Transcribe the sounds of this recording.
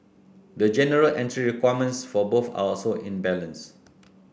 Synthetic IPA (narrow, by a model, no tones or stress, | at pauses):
dəd͡ʒɛnəɹəlʔɛ̃ntɹiɹikwajəmə̃nsfɔboθa̰ɔlsoʔĩnbɛlə̃ns